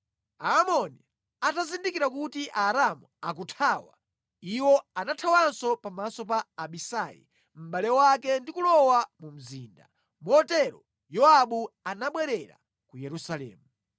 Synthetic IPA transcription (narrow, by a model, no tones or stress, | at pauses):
aːmɔni | atazindikiɾakutiʔaɾamuak̬utʰaːwa̰ | iwɔanatʰawansɔpamasɔpaːɓisaːjḭ | m̩ɓalɛwakɛndikulɔwamum̩zḭːnda | muɔtɛɾɔ | jɔaɓuanaɓwɛɾɛɾa̰ | kujɛɾusalɛ̰ːmu